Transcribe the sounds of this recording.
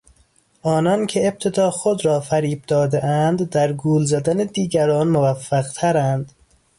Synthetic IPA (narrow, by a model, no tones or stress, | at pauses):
ʔɒːnɒːncʰeːb̥̚t̪ʰe̞d̪ɒːxod̪ɾɒːfæɾiːb̚d̪ɒːd̪eʔænd̪ːæɾɡuːlzæd̪æned̪iːɡæɾɒːnmovæfːæɣt̪ʰæɾænd̪̥